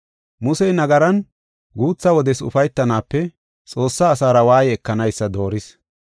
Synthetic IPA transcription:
mʊsɛjnɐɡɐɾɐn | ɡuːt͡sːɐwɔd̪ɛsʊ̰fɐjt̪ːɐnaːpːɛ | t͡sʼo̞ːsːaːsaːɾɐwaːjɪɛkːɐnɐjsːɐd̪o̞ːɾɪs

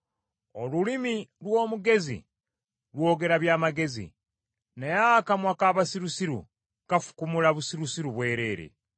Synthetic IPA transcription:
olulimilwo̞ːmuɡe̞zḭ | lwo̞ːɡe̞ɾaβjaːmaɡe̞zḭ | najakamwakaːβasiɾusiɾṵ | kafu̥kumulaβusiɾusiɾuβwe̞ːɾe̞ːɾḛ

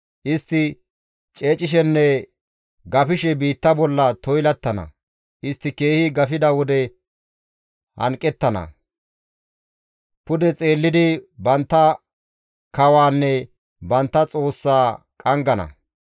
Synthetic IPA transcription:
ʔɪst̪ːɪ | t͡ʃʼeːt͡ʃʼɪʃ̬ɛnːɛ | ɡɐfɪʃɛbiːt̪ːɐbɔlːɐt̪ɔjlɐt̪ːɐnɐ̰ | ʔɪst̪ːɪke̞ːhɪɡɐfɪd̪ɐwɔd̪ɛ | hɐ̰ŋkʼːɛt̪ːɐnɐ̰ | pʊd̪ɛt͡sʼe̞ːlːɪd̪ɪbɐnt̪ːɐ | kɐwaːnːɛ | bɐnt̪ːɐt͡sʼo̞ːsːaː | kʼɐŋɡɐnɐ̰

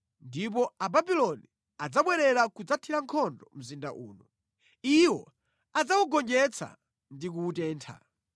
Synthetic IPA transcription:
ndip̬ɔababilɔni | ad͡zaɓwɛɾɛɾakud͡zatʰiɾaŋkʰɔndɔm̩zinda̰ʔṵːnu | iwɔ | ad͡zawuɡɔnd͡ʒɛt͡sʰa̰ | ndik̬uːtɛːntʰa̰

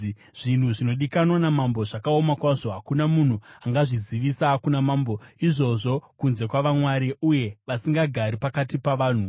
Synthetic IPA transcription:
ʐ̥in̤uʐino̞ɗikanwanamambo̞ʐakaomakwaʐo̞ɦakunamun̤uaŋɡaʐiziʋisakunamaːmbo̞iʐo̞ʐo̞kunze̞kwaʋamwaɾiuje̞ʋasiŋɡaɡʱaɾipakatipaʋaːn̤u

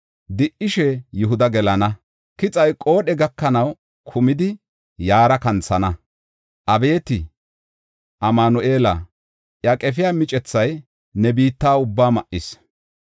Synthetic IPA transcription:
d̪ɪʔɪʃɛjʊɦʊd̪ɐɡɛlɐnɐ | kɪt͡sʼɐjkʼo̞ːɗɛɡɐkːɐnɐw | kʰʊmɪd̪ɪ | jaːɾɐkɐnt͡sɐnɐ | ʔɐbe̞ːt̪ɪ | ʔɐmaːnɔʔe̞ːlɐ̰ | ʔjɐkʼɛfɪjaːmɪt͡ʃʼɛt͡sːɐj | nɛbiːt̪ːaːʊbːaːmɐʔɪs

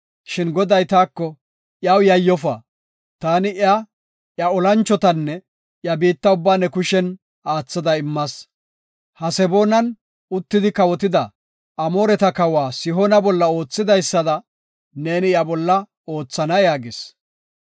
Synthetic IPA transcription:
ʃɪnɡɔd̪ɐjt̪aːkːɔ | jɐwjɐjːɔfɐ | t̪aːnɪʔja | jɐɔlɐnt͡ʃːɔt̪ɐnːɛ | jɐbiːt̪ːɐʊbːaːnɛkʊʃɛn | aːt͡sːɐd̪ɐɪmːɐs | hɐsɛbo̞ːnɐn | ʊt̪ːɪd̪ɪkɐwɔt̪̬ɪd̪ɐ | ɐmo̞ːɾɛt̪ɐkɐwaːsɪɦonɐbɔlːɐo̞ːt͡sːɪd̪ɐjsːɐd̪ɐ | ne̞ːnɪjɐbɔlːɐ | o̞ːt͡sːɐnɐjaːɡɪs

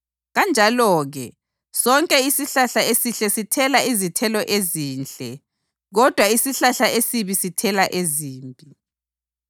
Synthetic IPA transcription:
ɣand͡ʒʱalɔːɣɛ̰ | sɔŋkʼɛisiɬaɬaesiɬɛsitʰɛlaizitʰɛlɔʔeziːnt͡ɬʼɛ | ɣɔd̥ʱwaisiɬaɬaʔesiβisitʰɛlaʔeziːmbʱi

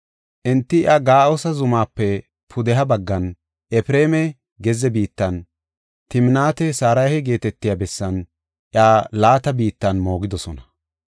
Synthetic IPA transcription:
ʔɪnt̪ːɪʔaɡaːʔosɐzʊmaːpːɛ | pʰʊd̪ɛɦɐbɐɡːɐn | ʔɛfɪɾeːmɛ | ɡɛzɛbiːt̪ːɐn | t̪ɪmɪnaːt̪ɛsaːɾɐjhɛɡe̞ːt̪ɛt̪ːɪjaːbɛsːɐn | ʔɪaːlaːt̪ɐbiːt̪ːɐnmo̞ːɡɪd̪ɔsɔnɐ

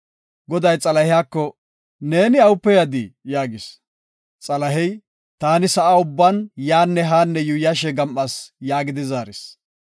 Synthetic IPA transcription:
ɡɔd̪ɐjt͡sʼɐlɐhɪjaːkːɔ | ne̞ːnɪɐwʊpːɛjɐd̪ɪjaːɡɪs | t͡sʼɐlɐɦɛj | t̪aːnɪsɐʔaʊbːɐnjaːnːɛɦaːnːɛjʊjaʃɛɡɐmʔɐsjaːɡɪd̪ɪzaːɾɪs

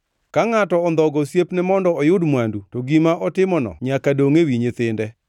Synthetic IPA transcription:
kaŋatɔɔnd̪ɔɡɔsjepnɛmɔndɔɔjʊdmwandutoɡimaʔɔtɪmɔnɔ̰ɲakadoŋewiɲet̪ɪndɛ

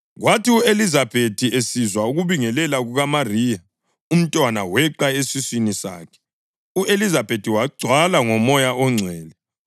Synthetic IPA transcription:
ɣwatʰiuelizabʱetʰiesizwauɣuβiŋɛlɛlaɣuɣamariːja | um̩tʼwana̰wɛǃaesiswinisa̰ːkʰɛ̥ | uelizabetʰiwaɡ͡ǀʱwalaŋɔmɔjaɔŋ͡ǀʱɛːlɛ

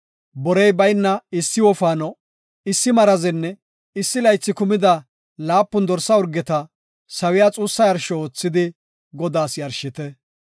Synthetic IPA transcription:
bɔɾɛjbɐjnːɐɪsːɪwɔfaːnɔ | ɪsːɪmɐɾɐzɛnːɛ | ɪsːɪlɐjt͡sːɪkʊmɪd̪ɐ | laːpːʊnd̪ɔɾsːɐʊɾɡɛt̪ɐ | sɐwɪjaːt͡sʼuːsːɐjɐɾʃɔoːt͡sːɪd̪ɪ | ɡɔd̪aːsjɐɾʃɪt̪ɛ

